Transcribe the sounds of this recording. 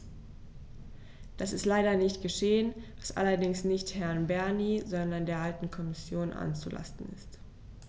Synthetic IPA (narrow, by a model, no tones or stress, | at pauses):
d̥asɪstlaɪɾɐnɪçtɡ̥əʃeːənvasʔa̰lɐdɪŋsnɪçthɛɐnbɛɐnizɔndɐndeːɐʔaltn̩kʰɔmɪsjoːnʔa̰nt͡sula̰stn̩ɪ̰st